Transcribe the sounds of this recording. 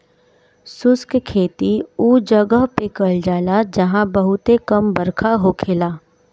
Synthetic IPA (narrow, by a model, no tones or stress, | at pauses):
sʊskkʰeːt̪iuːd͡ʒɐɡəɦpekəld͡ʒaːlad͡ʒɐɦãbɐɦʊt̪ekɐmbɐɾkʰaɦokʰeːlaː